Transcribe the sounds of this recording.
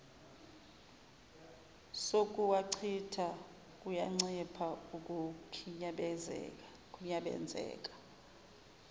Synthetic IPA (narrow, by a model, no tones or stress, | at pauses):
sokʼuwaǀʰitʰa | kʼujaŋ͡ǀipʰaukʼukʰiɲaɓɛzɛ̰ | kʼuɲaɓɛ̰nd͡zʱɛ̰ːkʼḁ